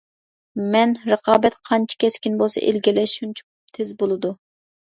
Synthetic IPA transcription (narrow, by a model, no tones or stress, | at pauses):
mɛnɾəqʰɑːbɛt̪qʰɑnt͡ʃʰi̥kʲʰɛskʲinbolˠsɑ̰ʔḛlɡʲilɛʃunt͡ʃʰu̥ | t̪ʰezbolˠɨd̪u